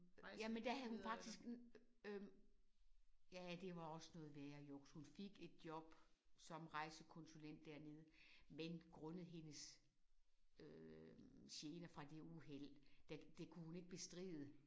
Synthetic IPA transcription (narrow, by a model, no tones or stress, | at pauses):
jæmend̥æɦæð̩ˠhunfɑ̈ɡ̥d̥isɡ̥ø | jææd̥e̝ʋɑ̈ɒ̽sənɔ̽ːð̩ˠʋeæjɑjɔɡ̥shunfe̝ɡ̥e̝d̥̚jɒ̽b̥sɒ̽mʁɑ̈ɪsəkʰɔ̽nsulen̰d̥ːæɐ̰ne̝ð̞ˠmenɡ̥ʁɔnð̩ˠɦe̝nəs | ø | ɕeːnɐfʁɑ̈d̥e̝uɦel̰d̥æd̥e̝kʰuhune̝ɡ̥̚b̥e̝sd̥ʁḭːð̞ˠə